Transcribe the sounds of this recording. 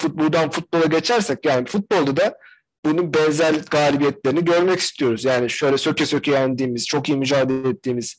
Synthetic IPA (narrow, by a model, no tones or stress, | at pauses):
fut̪̚bulˠd̪anfut̪̚bo̞lˠaɟe̞t͡ʃʰæɾsɛc̚jaːnifut̪̚bo̞lˠd̪ad̪a | b̥ununbɛnzælʲɡaːlʲibijɛt̪lʲe̞ɾiniɟø̞ɾmɛci̥st̪ʰijo̞ɾuzjaːniʃø̞jlʲɛsø̞cʰɛsø̞cʰejænd̪iːmiz̥t͡ʃʰo̞kijimyd͡ʒaːd̪elɛt̪ːiːmiz̥